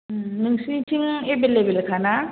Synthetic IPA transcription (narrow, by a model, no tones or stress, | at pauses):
niŋsĩt͡ʃʰiŋebelebelkʰana